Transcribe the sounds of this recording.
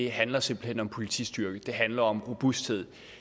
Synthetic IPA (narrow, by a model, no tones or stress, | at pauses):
e̝ɦænlɐse̝mb̥l̩hen̰ɒ̽mpʰo̝lit͡sʰḭsd̥yɐɡ̥əd̥e̝ɦænlɐɒ̽mʁo̝b̥usd̥he̝ð̰ˠ